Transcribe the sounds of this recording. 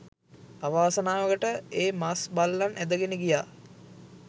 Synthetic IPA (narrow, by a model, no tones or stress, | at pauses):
aʋaːsənaːʋəkəʈəeːmasbalːanʔæd̪əɡenəɡijaː